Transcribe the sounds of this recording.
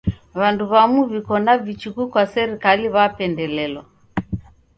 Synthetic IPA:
βanduβamuβikɔnavit͡ʃikukwasɛɾikaliβapɛndɛlɛlɔ

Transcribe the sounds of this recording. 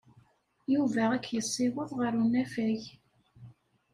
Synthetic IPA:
juvæʁækːjəsˤːiwəðˤʁəɾunæfæʝ

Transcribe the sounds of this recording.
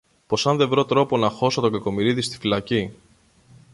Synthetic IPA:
po̞sɐnðe̞vɾot̪ɾo̞po̞nɐxo̞so̞t̪o̞ɡɐko̞miɾiðist̪i̥filɐci

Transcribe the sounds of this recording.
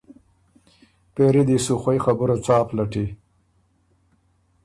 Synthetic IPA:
peɾid̪isuxwajxabʊɾat͡sɑːplaʈi

